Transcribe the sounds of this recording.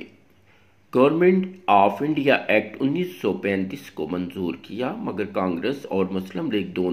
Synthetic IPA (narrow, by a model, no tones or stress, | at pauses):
ɡ̥ɐʋəɾmẽɳʈaːfɪ̃ɳɖijaʔɛːk̚ʈʊnːiːsːɔpɛ̃ːnt̪iːskomɐnzuːɾkijaːmɐɡəɾkãːŋɡɾesɔːɾmʊsləmleːk̚d̪oː